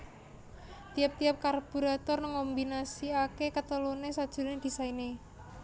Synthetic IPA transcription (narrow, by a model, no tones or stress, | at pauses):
t̪ijap̚t̪iap̚karb̥ṳɾat̪ɔrnəŋɔmbinasiakekət̪əlunesad̥ʒ̥ṳned̪̥i̤saine